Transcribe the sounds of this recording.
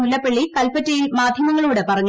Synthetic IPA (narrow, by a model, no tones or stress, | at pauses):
ulːɐpːeɭːikɐlpɐtːɐjilmaːd̪ʱjɐmɐŋːɐɭuːɽepɐrɐŋː